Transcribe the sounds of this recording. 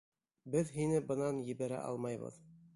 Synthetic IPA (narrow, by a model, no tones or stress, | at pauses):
bɘðɦinɘbɤ̆nɑnjɘ̆βæɾæ̰ʔɑ̰lˠmɑjβɤ̰ð